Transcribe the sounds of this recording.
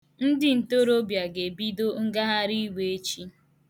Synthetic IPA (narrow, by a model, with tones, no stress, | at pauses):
n̩˦dɪ˦n̩˨to˦ɾo˦bja˨ɡe˨bi˦do˦ŋ̩˦ɡa˦ɦa˦ɾi˦we˨e˦t͡ʃi˦